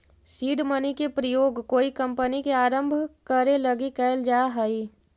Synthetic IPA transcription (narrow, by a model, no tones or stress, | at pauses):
siːɖmənikepɾəjoːɡkoːikə̃mpənikeaːɾə̃mbʱkəɾelɐɡikɛɪld͡ʒaːɦəi